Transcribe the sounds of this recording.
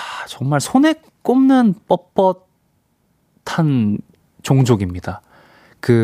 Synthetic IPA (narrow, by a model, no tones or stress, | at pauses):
at͡ɕʌŋmaɭsʰone̞ | k͈omnɯnp͈ʌp͈ʌt | tʰan | t͡ɕoŋd͡ʑoɡimɲida | kɯ